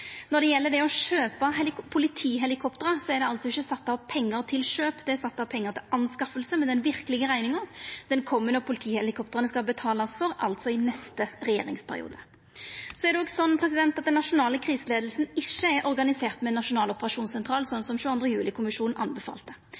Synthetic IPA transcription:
nɔd̪ɛjɛlːəɖɛɔʃøːpɑɦɛlɪpʰʊlɪt̪ʰiːɦɛlɪkʰɔpt̪əɾəsɔɛɾd̪ɛɑlt̪sɔɪçːəsɑt̪ːɑʋpʰɛŋːəɾt̪ʰɪlʃøːpd̪ɛæɾsɑt̪ːɑʋpʰɛŋːəʁt̪ʰɪlʔɑnskɑfəlsəmɛd̪ɛnʋɪʁkəlɪɡəʁæɪnɪŋəd̪̥ɛnkʰɔmːənəɔpʰʊlɪt̪ʰiːhɛlɪkʰɔp̚t̪əɾənəskɑbət̪ʰɑːlɑsfɔɾʔɑ̰lt̪sɔɪnɛst̪əɾɛjḛːɾɪ̰ŋspʰæɾɪ̰ṵːd̪ə | sɔɛʁdɛoːɡsɔnːpʰɾɛsɪd̪ɛnt̪ɑt̪̚d̪ɛnːɑʂʊnɑːləkʰɾiːsəleːd̪lsn̩ɪʃːəɛɾʔɔɾɡɑnɪseːʁt̪mɛnːɑʂʊnɑːlɔpəɾɑʂuːnsɛnt̪ʰɾɑːlsɔnːsɔmʃʉːɑnd̪ɾəjʉːlɪkʰʊmɪʂuːnn̩ʔɑ̰nbɛfɑ̰ːlt̪ə

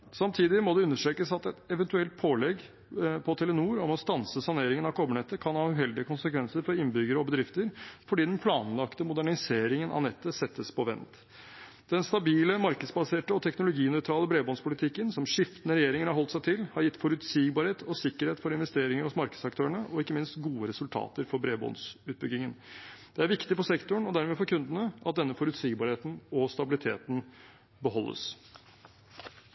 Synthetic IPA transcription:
sɑmt̪ʰiːd̪ɪmɔd̪ɛʉnːəʂʈɾeːkəsɑt̪ɛt̪ɛʋɛnt̪ʉɛlt̪̚pʰoːlɛɡ | pʰɔt̪ʰɛlənuːɾɔmɔst̪ɑnsəsɑneːɾɪŋənɑkʰɔbəɳɛt̪ːəkʰɑnhɑːʉhɛld̪ɪəkʊnsəkʰʋɛnsəɾfɔɾɪnbʏɡəɾəɔbəd̪ɾɪft̪əɾfɔɖiːd̪ɛnpʰlɑːnlɑkt̪əmʊd̪æɳɪseːɾɪŋənɑ̰nɛt̪ːəsɛt̪ːəspʰɔʋɛ̰nt̪ | d̪̥ɛnst̪ɑbiːləmɑɾkəd̪sbɑseːʈəɔt̪ʰɛknʊlʊɡiːnɔʏt̪ʰɾɑːləbɾeːbɔnspʰʊlɪt̪ʰɪkːənsɔmʂɪft̪ənəɾɛjeːɾɪŋənhɑɾhɔlt̪sæɪt̪ʰɪlhɑɾjɪt̪ːfɔɾʉt̪siːɡbɑːɾheːt̪ʰɔsɪkːəɾheːt̪fɔɾɪnʋɛst̪eːɾɪŋəɾɔsmɑɾkəd̪sɑk̚t̪ʰøːəɳəʔɔɪkːəmɪnst̪ɡuːəɾɛsʉlt̪ʰɑ̰ːt̪əɾfɔɾbɾeːbɔ̰nsʉːt̪̚bʏɡɪŋənd̪̥ɛæɾʋɪkt̪ɪfɔsɛkt̪ʊɳɔd̪æɾmeːfɔɾkʰʉnd̪ənəʔɑt̪̚d̪ɛnːəfɔɾʉt̪siːɡbɑːɾheːt̪n̩ɔst̪ɑbɪlɪt̪ʰeːt̪n̩ | bəɦɔlːə̰s

